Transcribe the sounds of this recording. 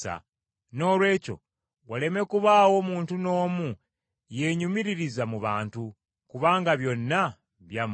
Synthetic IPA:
a̰ | no̞ːlwe̞ːco̞̰ | wale̞me̞kuβaːwo̞muːntuno̞ːmu | je̞ɲumiɾiɾizamuβaːntu | kuβaːŋɡaβjo̞nːa | βjam

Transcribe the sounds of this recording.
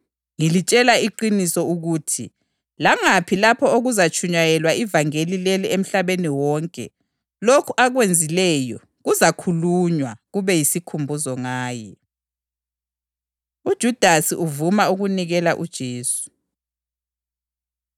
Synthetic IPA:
ŋilit͡ʃʼɛlaiǃinisɔuɣutʰi | laŋapʰilapʰɔoɣuzat͡ʃʼʰuɲajɛlwaivaŋelilɛliem̩ɬaβeniwɔŋkʼɛ̰ | lokʰuʔaɣwend͡zʱilɛːjɔ | ɣuzakʰuluɲwaɣuβɛjisikʰumbʱuzɔŋaːjɛ | ud̥ʒ̥ʱud̥ʱasiʔuvumauɣuniɣɛlaʔud̥ʒ̥ʱeːsu̥

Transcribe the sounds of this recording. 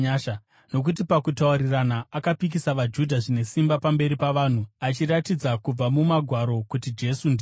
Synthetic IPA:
aʃa | no̞k̬ut̬ipakutauɾiranaːkapik̬isaʋad͡ʒudʱaʐine̞simbapambe̞ɾipaʋaːn̤uat͡ʃiɾatid͡zakub͡vamumaɡʱwaɾo̞kutid͡ʒe̞sund

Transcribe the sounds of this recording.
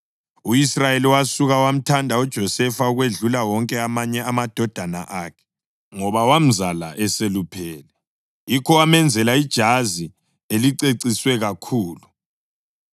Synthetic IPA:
uisrajeliwasuɣawam̩tʰandʱaud̥ʒ̥ʱɔsɛfauɣweɮulawɔŋkʼɛamaɲɛamad̥ʱɔd̥ʱana̰ʔaːkʰɛ̥ | ŋɔβawam̩zala̰ʔɛselupʰɛːlɛ | jikʰɔwamɛnd͡zʱɛlaid̥ʒ̥ʱazi | eliǀeǀiswɛɣakʰuːlu

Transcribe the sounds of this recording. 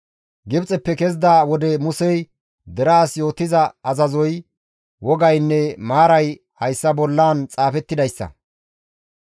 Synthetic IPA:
ɡɪbt͡sʼɛpːɛkɛzd̪aːwɔd̪ɛmʊsɛj | d̪ɛɾaːsjo̞ːt̪ːɪzɐɐzɐzɔj | wɔɡɐjnːɛmaːɾɐj | hɐjsːɐbɔlːaːnt͡sʼaːfɛt̪ːɪd̪ɐjsːɐ̰

